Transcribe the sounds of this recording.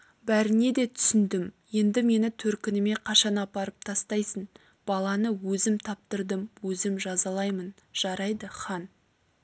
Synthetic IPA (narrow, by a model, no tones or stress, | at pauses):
bæɾɪne̞d̪e̞t̪ʰʏ̥sɪnd̪ɪmje̞nd̪ɪme̞nɪt̪ʰɵɾkʲɪnɪme̞qʰɑʃɑnɑpɑɾəp̚t̪ʰɑst̪ɑjsən | b̥ɑlˠɑnəwɵzɪmt̪ʰɑp̚t̪əɾd̪əmwɵzɪmʒɑzɑlˠɑjmən | ʒ̥ɑɾɑjd̪əχɑn